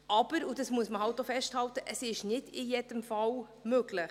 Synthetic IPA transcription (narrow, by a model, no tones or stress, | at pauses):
ʔɑb̥əɾudɑsmuəsməhɑlt̚ːofɛʃthɑltəʔəsɪʃnɪdɪjed̥əmfɑl | møɡlɪχ